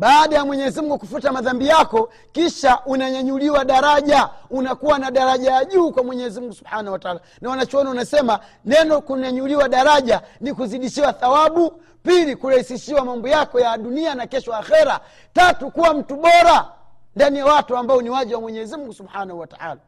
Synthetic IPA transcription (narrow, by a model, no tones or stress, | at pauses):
ɓaːɗajamwɛɲɛzimuŋɡukufutamaðambijakɔ | kiʃaʔunaɲaɲuliwaɗaɾaʄaunakuwanaɗaɾaʄajaʄuːkwamwɛɲɛzimuŋɡusubhaːnahwataaːlanawanat͡ʃɔɔnaunasɛma | nɛnɔkuɲaɲuliwaɗaɾaʄanikuziɗiʃiwaθawaɓu | pilikuɾahisiʃiwamambɔjakɔjaɗunianakɛʃɔaxɛɾa | tatukuwam̩tuɓɔɾa | ndanijawatuambaɔniwaʄɛwamwɛɲɛzimuŋɡusubhanahuwataʔa̰ːla